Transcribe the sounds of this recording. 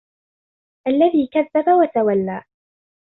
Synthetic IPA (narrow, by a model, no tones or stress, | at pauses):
ʔalːaðiːkaðːabawat̪awalːaː